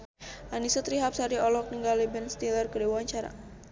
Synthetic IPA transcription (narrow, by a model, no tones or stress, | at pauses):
ʔanisɔt̪ɾiɦap̚saɾiɔlɔk̚niŋɡalibɛnst̪ilərkədewaɲt͡ʃaɾa̰